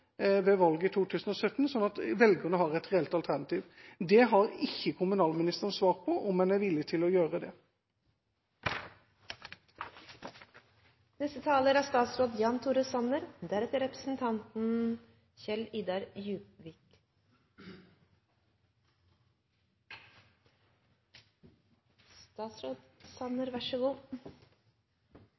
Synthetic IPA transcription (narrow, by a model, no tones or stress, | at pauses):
ʋɛʋɑlɡət̪ʰuːt̪ʰʉːsən̩ɔsœt̪ːn̩sɔnɑt̪ʋɛlɡənəɦɑʁɛt̪ʁɛɛlt̪ɑlt̪ʰæʁnɑt̪ʰiːʋd̪ɛɦɑʁɪçːəkʰʊmʉnɑːlmɪnɪst̪əʁnsʋɑːʁ̚pʰɔʔɔmːɛnæɾʋɪlːɪt̪ʰɪlɔjøːʁəd̪ɛ | nɛst̪ət̪ʰɑːləɾæst̪ɑːt̪sɾoːd̪jɑːnt̪ʰuːɾəsɑnəɾd̪æɾɛt̪əɾɛpɾəsn̩t̪ʰɑnt̪n̩ | çɛliːd̪ɑɾjʉːpʋiːk | st̪ɑːt̪sɾoːd̪sɑnəɾʋæʂəɡuː